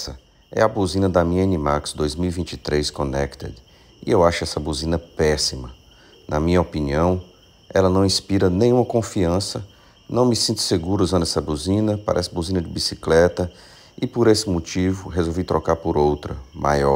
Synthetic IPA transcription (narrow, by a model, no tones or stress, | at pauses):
sɐ | ɛ̰ɐbuzĩnɐd̪ɐmĩɲɐẽnimaksd̪ojzmiwivĩnt͡ʃit̪ɾeskõnɛkt̪ḛd̪ | iewaʃʊɛsɐbuzĩnɐpɛsimɐ | nʔɐmĩɲɐopiniɐ̃w̃ | ɛlɐnɐ̃w̃ĩspiɾɐnẽj̃ũmɐkõfiɐ̃sɐ | nɐ̃w̃mɪsĩnt̪ʊ̥seɡuɾɐzõnɛsɐbuzĩnɐpa̰ɾʔɛsɐbuzĩnɐd͡ʒɪbisiklɛt̪ɐ | ɪpoɾesɪmot͡ʃivʊɦezowvit̪ɾɔkaɾpoɾowt̪ɾɐma̰jɔ